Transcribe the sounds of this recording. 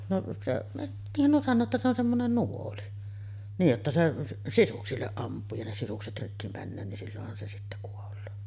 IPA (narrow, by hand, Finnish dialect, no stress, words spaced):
noʔ seʔ niːhːæn nuo sɑnːoː etːæ se on semːonen nuoli niːj jotːɑ se sisuksilːeʔ ʔɑmpˑuː jɑ ne sisukset rikːi mænːøː nin silːohːɑn se sitːæ kuolˑoː